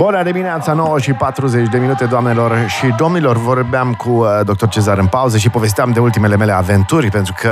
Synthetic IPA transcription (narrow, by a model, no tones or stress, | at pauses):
bunəd̪imineat̪səno̞wəʃipat̪ɾuze̞t͡ʃʲd̪e̞minut̪e̞d̪oamne̞lo̞rʃid̪o̞mnilo̞rvo̞rbeamkʰud̪ok̚t̪ort͡ʃe̞zaɾɨnpauzəʃ̬ipo̞ve̞s̬t̪eamd̪eult̪ime̞le̞me̞le̞ave̞nt̪urʲpe̞nt̪ɾukʰə